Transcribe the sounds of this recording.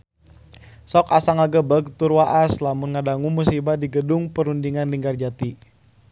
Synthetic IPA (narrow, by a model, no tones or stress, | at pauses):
sɔkasaŋaɡəbəɡ̚t̪urwaʔaslamunŋadaŋumusibadiɡədʊŋpəɾundiŋanliŋɡard͡ʒat̪i